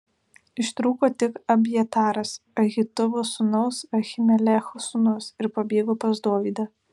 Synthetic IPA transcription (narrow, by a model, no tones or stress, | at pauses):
ɪʃt̪ɾuːkoːt̪ʲɪkɐbʲjɛt̪ɑːɾɐsɐɣʲɪt̪ʊʋʊsʊnɐʊsɐxʲɪmʲɛlʲɛxʊsʊnʊsɪɾpɐbʲeːɡoːpɐzd̪uɔʋʲiːd̪ɐ